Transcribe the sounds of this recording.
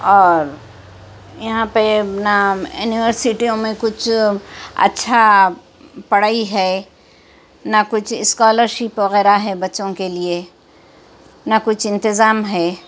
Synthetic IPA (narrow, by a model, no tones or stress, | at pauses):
ɔːɾ | jɐɦãpenajuːniʋəɾsɪʈijõmẽkʊt͡ʃʰ | ɐ̰tːʃʰa | pɐɽ̤aːiɦɛ | nakʊt͡ʃʰɪskɔːləɾʃɪpʋɐɣɛːɾaɦɛbɐtːʃõkelie | nakʊt͡ʃʰɪ̃nt̪ɪzaːmɦɛː